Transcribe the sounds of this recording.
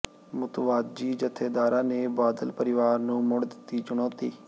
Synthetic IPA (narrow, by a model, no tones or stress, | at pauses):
mʊt̪ʋaːd̪̚d͡ʒiːd͡ʒət̪ʰːeːd̪aːɾãːneːbaːd̪əlpəɾɪʋaːɾnũːmʊɽd̪ɪt̪ːiːt͡ʃʊɽ̃ɔ̃ːt̪iː